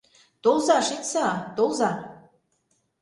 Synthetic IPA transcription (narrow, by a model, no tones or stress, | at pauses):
t̪olzɑʃet̪sɑt̪olzɑ